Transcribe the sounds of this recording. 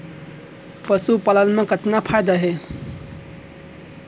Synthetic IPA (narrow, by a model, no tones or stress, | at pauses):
pəsupələnmẽkət̪napʰajd̪aɦe